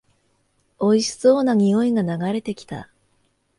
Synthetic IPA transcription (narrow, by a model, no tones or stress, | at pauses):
o̞iɕi̥so̞ːnaɲ̟io̞iɡanaɡaɾe̞t̪e̞kʲi̥t̪a̰